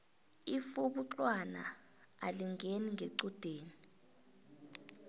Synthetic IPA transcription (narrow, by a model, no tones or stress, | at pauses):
ifuɓuǁʼwana̰ | aliŋʱeniŋʱeǀud̥ʱeːni